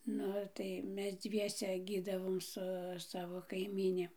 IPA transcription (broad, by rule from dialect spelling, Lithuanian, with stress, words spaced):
ˈnʊ tɐɪ ˈmʲɛs ˈd͡zʲʋʲiɛsʲɛ ˈɡʲiːdɐʋoːm sʊ ˈsɑːʋoː kɐɪˈmʲiːnʲɪ